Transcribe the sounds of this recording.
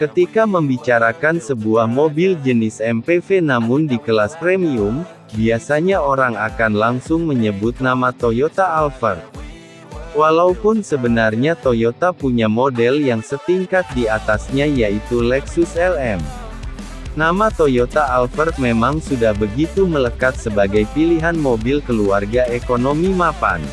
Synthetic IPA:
kət̪ikaməmbit͡ʃaɾakansəbuahmobɪld͡ʒənɪsɛmpefenamʊndikəlaspɾemium | biasaɲaoɾaŋakanlaŋsʊŋməɲəbʊt̪̚namat̪ojot̪aːlfərt̪̚ | walaupʊnsəbənarɲat̪ojot̪apuɲamodɛljaŋsət̪iŋkat̪̚diat̪asɲajait̪ulɛksʊsɛlɛm | namat̪ojot̪aːlfərt̪̚memaŋsudahbəɡit̪umələkat̪̚səbaɡajpiliɦanmobilkəluarɡaekonomimapa̰n

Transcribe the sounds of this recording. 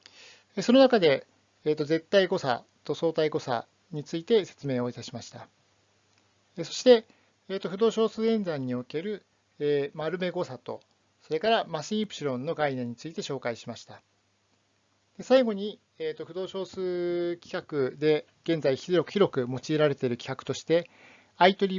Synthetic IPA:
eso̞no̞nakad̪e̞ː | t̪ːo̞ze̞t̪ːaiɡo̞sa̰ | t̪o̞so̞ːt̪aiɡo̞sa̰ | ɲ̟it͡sɨit̪e̞se̞̥t͡sɨme̞ːoit̪aɕimaɕi̥t̪a | eso̞̥ɕi̥t̪e̞ | eːt̪ːoɸɯ̟d̪o̞ːɕo̞ːsɨːẽ̞nd͡zãɲ̟ːio̞ke̞ɾɯ̟ | emaɾɯ̟me̞ɡo̞sat̪o̞̰ | so̞ɾe̞kaɾamaɕĩpɯ̟̥ɕiɾõ̞nːo̞ɡainẽ̞ɲ̟ːit͡sɨit̪e̞ɕo̞ːkaiɕimaɕi̥t̪a | d̪̥e̞saiɡo̞ɲ̟i | eːt̪ːo̞ɸɯ̟d̪o̞ːɕo̞ːsɨkʲi̥kakɯ̟d̪e̞ | ɡ̥ẽ̞nd͡zaiçiɾo̞k̟çiɾo̞kɯ̟mo̞t͡ɕiːɾaɾe̞t̪eɾɯ̟kʲi̥kakɯ̟̥t̪o̞ɕi̥t̪e̞ | ait̪o̞ɾʲi

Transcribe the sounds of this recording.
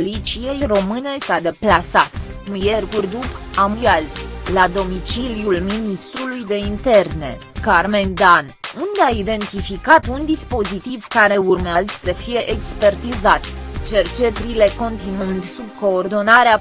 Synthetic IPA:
lit͡ʃije̞jro̞mɨne̞sad̪e̞plasat̪kumjerkurʲd̪upamujazlad̪o̞mit͡ʃilijulminist̪ɾulujd̪e̞int̪e̞rne̞ | karme̞nd̪anund̪eaid̪e̞nt̪ifikat̪und̪ispo̞zit̪ivkaɾe̞urmeazsəfije̞ʔekspe̞rt̪izat̪t͡ʃe̞rt͡ʃe̞t̪ɾile̞ko̞nt̪inɨnd̪sub̚ko̞ːrd̪o̞naɾea

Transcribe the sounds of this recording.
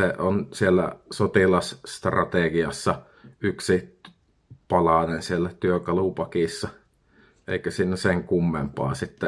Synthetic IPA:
eʔonsielːæ̰sot̪ilɑsst̪rɑt̪eˑɡiɑsːɑ | yksi | pɑlɑˑnensielːæt̪yøkɑlupɑkiˑsːɑ | ʔḛikæsiːnːæseŋkumːempɑ̰ːsit̪ːæ

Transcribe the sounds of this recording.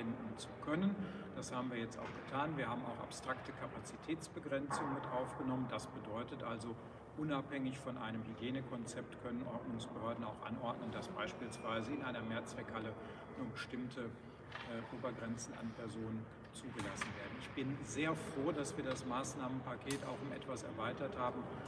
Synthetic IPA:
vɛndn̩t͡su̥kʰœnən | d̥ashaːbm̩viːɐjɛt͡sta̰ʊxɡ̥ətʰaːnviːɐhaːbm̩a̰ʊxa̰pstʁ̥aktəkʰapat͡sitʰɛːt͡sb̥əɡʁɛnt͡sʊŋənmɪtʔaʊfɡ̥ənɔməndasb̥ədɔʏtətʔalzo | ʔʊnaphɛŋɪçfɔnʔa̰ɪnəmhyɡjeːnəkʰɔnt͡sɛp̚tkʰœnənʔɔɐnʊŋsb̥əhøːɐdn̩aʊxʔa̰nʔɔɐdnəndasb̥a̰ɪʃpiːlsv̥aɪzəɪnʔaɪnɐmeːɐt͡sv̥ɛkhalə | nuːɐbəʃtɪmtʰə | ʔoːbɐɡʁɛnt͡sn̩a̰npɛɐzoːnən | t͡suːɡəlasn̩veːɐdn̩ɪçb̥ɪnzeːɐfʁ̥oːdasv̥iːɐdasmaːsnaːmənpakʰeːta̰ʊxʊmʔɛ̰tv̥asɛ̰ɐvaɪtɐthaːbm̩

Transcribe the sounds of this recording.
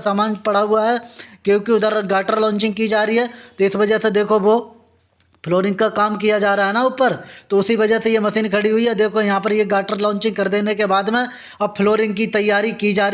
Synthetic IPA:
saːmaːnpɐɽaɦʊaɦɛːkjõːkiʊd̪əɾɡaːʈəɾlɔ̃ːɲt͡ʃɪ̃ŋɡkid͡ʒaːɾiɦɛːt̪oɪsʋɐd͡ʒəsed̪eːkʰoʋoː | pʰloːɾɪ̃ŋɡ̚kakaːmkijad͡ʒaːɾaaːɦɛnaʊpːəɾt̪oʊsiʋɐd͡ʒəɦsejemɐsiːnkʰɐɽiɦʊiɦɛd̪eːkʰojɐɦãpɐɾjeɡaːʈəɾlɔ̃ːnt͡ʃɪ̃ŋɡ̚kɐɾd̪eːnekebaːd̪mẽ | ɐb̚pʰloːɾɪ̃ŋɡkit̪ɐjːaːɾikid͡ʒaːɾ

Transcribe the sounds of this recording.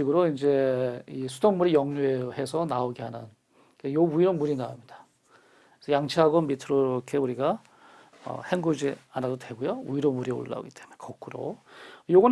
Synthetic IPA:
iɡɯɾoind͡ʑe̞isʰu̥doŋmuɾijʌŋɲuehe̞sʰʌnaoɡeɦhanɯn | kejouiɾonmuɾinaamɲid̥ḁ | sʰʌjaŋt͡ɕʰiɦaɡonmitʰɯɾoɾokʰe̞uɾiɡa | ʌ̰heŋɡud͡ʑianadotwe̞ɡojouiɾomuɾio̰ɭlːa̰o̰ɡit͈e̞munekʌk͈ʰɯɾo̰joɡʌn

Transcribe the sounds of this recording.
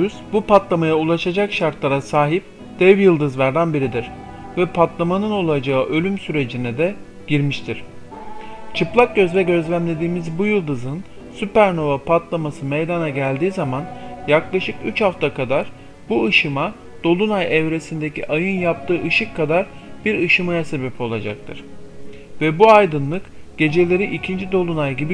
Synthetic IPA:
yzbupat̪lˠamajaulˠaʃad͡ʒakʃaɾt̪lˠaɾasaːɦip̚ | d̪̥ɛvjɯlˠd̪ɯzvæɾd̪ænbiɾid̪iɾ̥ | vɛpʰat̪lˠamanɯno̞lˠad͡ʒaɯʔø̞lʲymsyɾe̞d͡ʒinɛd̪ɛ | ɟ̥iɾmiʃt̪ʰiɾ̥ | t͡ʃʰɯplˠak̚ɟøzvɛɟø̞zlʲæmlʲe̞d̪iːmizbujɯlˠd̪ɯzɯn | sypæɾno̞vapʰat̪lˠamasɯmejd̪anaɟælʲd̪iːzamanjaklˠaʃɯkyt͡ʃhaft̪ʰakʰad̪aɾ | buɯʃɯma | d̪̥o̞lˠunajɛvɾe̞sind̪e̞cʰḭʔajɯnjap̚t̪ʰɯːʔɯʃɯkʰːad̪aɾ | b̥iɾɯʃɯmajase̞bɛpo̞lˠad͡ʒak̚t̪ʰɯ̰ɾ̥ | vɛbuajd̪ɯnlˠɯkɟ̥e̞d͡ʒe̞lʲe̞ɾiʔicʰind͡ʒid̪o̞lˠunajɟibi

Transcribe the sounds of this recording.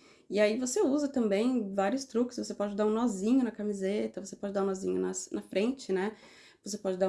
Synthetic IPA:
ɪaivoseuzɐt̪ɐ̃mbẽj̃vaɾiʊst̪ɾukɪ̥svosepɔd͡ʒɪd̪aɾũnɔzĩɲʊnɐkamizet̪ɐvosepɔd͡ʒɪd̪aɾũnɔzĩɲʊnɐsnɐfɾẽnt͡ʃɪnɛ | vos̬epɔd͡ʒɪd̪a

